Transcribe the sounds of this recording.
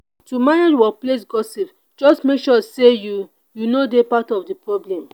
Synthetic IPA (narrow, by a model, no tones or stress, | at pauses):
tumanidwɔples̬ɡɔsip | d͡ʒɔstmekʃɔseju | junodepatɔfdipɹɔblɛ̃m